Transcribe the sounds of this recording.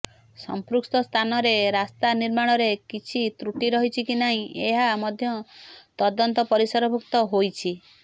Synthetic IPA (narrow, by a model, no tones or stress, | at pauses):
sɔ̰mpɾukst̪ɔst̪ʰanɔɾeɾast̪aniɾmaɽ̃ɔɾekit͡ʃʰit̪ɾuʈiɾɔɦit͡ʃʰikinaɦĩeɦamɔd̪ʱjɔt̪ɔd̪ɔnt̪ɔpɔɾisɔɾɔbʱukt̪ɔɦojt͡ʃʰi